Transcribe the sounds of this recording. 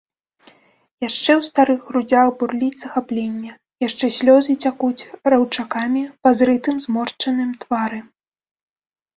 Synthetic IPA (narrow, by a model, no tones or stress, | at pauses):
jaʂt͡ʂɛwst̪aɾɨɣɣɾud͡zʲaxburlʲizɐxaplʲenʲːɐ | jaʂt͡ʂɛsʲlʲɔzɨt͡sʲakut͡sʲrawt͡ʂakamʲipazɾɨt̪ɨmzmɔrt͡ʂɐnɨmt̪vaɾɨ